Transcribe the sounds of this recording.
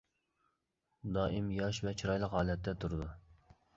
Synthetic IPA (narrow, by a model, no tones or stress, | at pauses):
d̪ɑːʔɪmjɑʃvɛt͡ʃʰiɾɑjlˠəqhɑːlˠɛt̪ʰːɛt̪ʰuɾɨd̪u